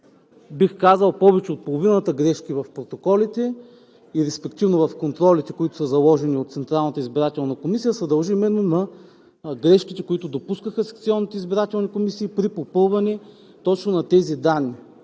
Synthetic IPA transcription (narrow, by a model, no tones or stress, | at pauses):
bixkazɐlˠpɔvɛt͡ʃɛot̪̚polˠovinət̪əɡɾɛʃkivɐfpɾot̪okɔlit̪ɛ | iɾɛspɛk̚t̪ivnovɐfkont̪ɾɔlit̪ɛkoit̪ʊ̥səzɐlˠɔʒɛniot̪t̪sɛnt̪ɾalˠnət̪əizbiɾat̪ɛlˠnɐkomisijəsɐd̪ɐlˠʒimɛnːonɐ | ɡɾɛʃkit̪ɛkoit̪ʊd̪opuskəxəsɛ̥kt̪siɔnːit̪ɛizbiɾat̪ɛlˠnikomisiːpɾipopɤlˠvɐnɛ | t̪ɔt͡ʃnonɐt̪ɛzid̪anːi